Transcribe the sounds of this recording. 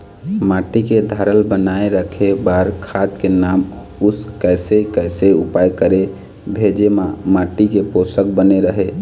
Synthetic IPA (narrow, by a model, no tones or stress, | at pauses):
maʈiked̪ʱaɾəlbənaeɾəkʰebaɾkʰad̪kenam | uskəjsekəjseupajkəɾe | bʱed͡ʒemamaʈikeposəkbəneɾəɦe